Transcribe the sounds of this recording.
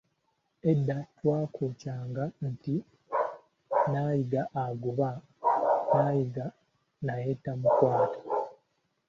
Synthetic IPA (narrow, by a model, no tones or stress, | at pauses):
edːatwaːkʰoːcaːŋɡanti | naːjiɡaʔːɡuβa | naːjiɡa | naje̞ːtamukwaːtḁ